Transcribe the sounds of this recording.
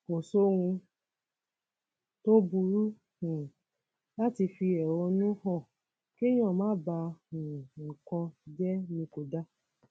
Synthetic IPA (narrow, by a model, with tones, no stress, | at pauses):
ko˨so˦wũ˧ | to˦bu˧ɾu˦ | hũ˨ | la˦ti˧fi˧ɛ˨wɔ˧nũ˦hɔ̃˦˨ | ke˦j̃ɔ̃˦˨mãː˦ba˧ũ˨ŋ̩˨kɔ̃˧d͡ʒɛ˦nĩ˧ko˨da˦